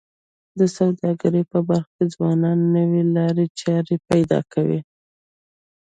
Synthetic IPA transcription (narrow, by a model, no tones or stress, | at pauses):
d̪əsawd̪ɑɡaɾəjpəbaɾxked͡zwɑnɑnːəwelɑɾet͡ʃɑɾepajd̪ɑ̰kʰawḭ